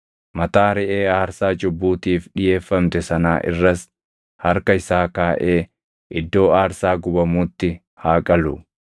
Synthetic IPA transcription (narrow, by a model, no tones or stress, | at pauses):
mɐt̪aːɾɛʔeːaːɾsaːt͡ʃʼʊbːuːt̪iːfᶑɪje̞ːfːɐmt̪ɛsɐnaːʔɪ̰rːɐs | hɐɾkɐɪsaːkaːʔeː | ʔɪd̪ːo̞ːaːɾsaːɡʊbɐmuːt̪ːɪ | haːkʼɐlʊ̰